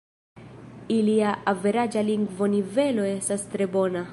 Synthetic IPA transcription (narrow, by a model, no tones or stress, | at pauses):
iliaʔave̞ɾad͡ʒaliŋɡvo̞nive̞lo̞e̞stastɾe̞bo̞na